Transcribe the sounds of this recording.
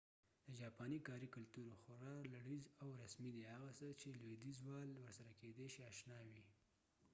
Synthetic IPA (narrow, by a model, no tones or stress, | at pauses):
d̪̥əd͡ʒɑpɑnikɑɾikʊlt̪uɾoxʊɾɑlaɽizawɾasmid̪ehaɣasət͡ʃelwed̪izwɑlwəɾsaɾaked̪eʃiɑʃnɑwi